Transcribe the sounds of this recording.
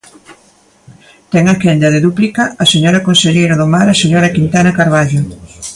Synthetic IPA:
t̪ɛŋakɛnd̪ɐðeðuplikɐaseɲɔɾɐkonseʎejɾaðomaɾaseɲoɾɐkint̪anɐkaɾβaʎo

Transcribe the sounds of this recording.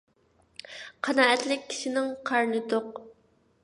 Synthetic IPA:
qʰɑnɑːɛt̪lɪkʲːʰi̥ʃɪnɪŋqʰɑɾnɨt̪oq

